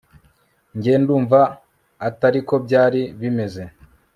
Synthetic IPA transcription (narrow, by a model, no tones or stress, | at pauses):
ɲɟe̞ːnduːɱvaː | taɾiko̞bɟaːɾiβime̞ze̞